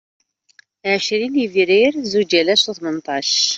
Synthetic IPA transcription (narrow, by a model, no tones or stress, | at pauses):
ʕʃɾinivɾiɾzud͡ʒælæsuθmənt̪ˤɑʃ